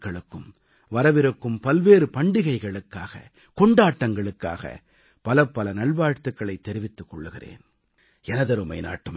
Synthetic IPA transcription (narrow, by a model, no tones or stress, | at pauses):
kːɐɭɯkːɯm | ʋɐɾɐʋɪɾɯkːɯmpɐlʋeːɾɯpɐɳɖɪɣɐɪɣɐɭɯkːaːɣɐ̰ | kɔɳɖaːʈːɐŋɡɐɭɯkːa̰ːɣɐ̰ | pɐlɐpːɐlɐnɐɭʋaːɻt̪ɯkːɐɭɐɪt̪ːɛɾɪʋɪt̪ːɯkːɔɭːɯɣɪrḛːn | ɛnɐðɐɾɯmɐ̰ɪna̰ːʈːɯm